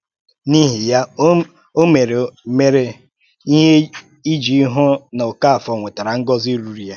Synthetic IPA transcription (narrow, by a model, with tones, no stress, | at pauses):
ni˦ɦi˨ja˦ | o˦me˨ɾe˨˦me˦ɾe˨ | i˦ɦe˦ | i˦d͡ʒi˨i˦ɦɔ˦n˨ɔ˨ka˦a˨fɔ˨ŋʷe˨ta˨ɾa˨ŋ̩˦ɡɔ˦zi˦ɾu˨ɾi˨ja˦